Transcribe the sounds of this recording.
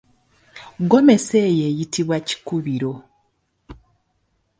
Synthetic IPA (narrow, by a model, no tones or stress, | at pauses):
ɡo̞me̞se̞ːje̞ːjitiβwaci̥kuβiɾo̞